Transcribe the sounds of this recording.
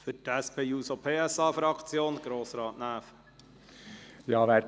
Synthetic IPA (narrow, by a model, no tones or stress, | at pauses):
fʏtɛspʰeːjuːsopʰeːɛsɑːfɾɑkʰt͡sjoːnɡ̥ɾoːsɾɑːtnæːf | jɑːʋæː